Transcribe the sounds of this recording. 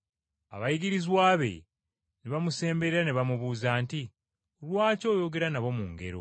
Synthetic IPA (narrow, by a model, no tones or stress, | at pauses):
a̰βajiɡiɾizwaːβe̞̰ | neβamuse̞ːmbe̞ɾeɾaneβamuβuːzaːnti | olwaːco̞ːjo̞ɡe̞ɾanaβo̞muŋɡe̞̰ɾo̞̰